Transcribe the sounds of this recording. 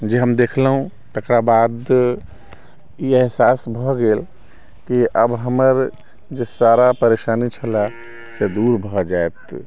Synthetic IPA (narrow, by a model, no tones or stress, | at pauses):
d͡ʒeɦəmd̪ekʰləɦũ | t̪əkɾabad̪ | ieɦsasbʱɔɡel | kiʔəbɦəməɾ | d͡ʒesaɾapəɾeʃanit͡ʃʰəla | sed̪uɾbʱɔd͡ʒaet̪